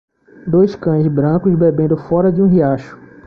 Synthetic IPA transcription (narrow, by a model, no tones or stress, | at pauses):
d̪ojskɐ̃j̃zbɾɐ̃kʊzbebẽnd̪ʊfɔɾɐd͡ʒɪũɦiaʃʊ̥